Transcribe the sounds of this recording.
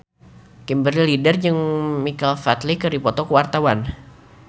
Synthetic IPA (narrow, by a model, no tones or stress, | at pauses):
kimbərilidərd͡ʒəŋmikalfat̪likədipɔt̪ɔkəwart̪awan